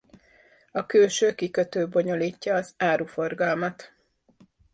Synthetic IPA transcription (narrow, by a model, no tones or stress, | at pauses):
ɒkøːʃøːkikøt̪øːbo̞ɲo̞liːcːɒːzaːɾufo̞rɡɒlmɒt̪